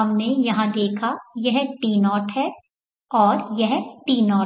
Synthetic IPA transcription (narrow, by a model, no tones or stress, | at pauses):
ɐmnejɐɦãd̪eːkʰajɐɦʈiːnɔːʈɦɛ | ɔːɾjɐɦʈiːnɔː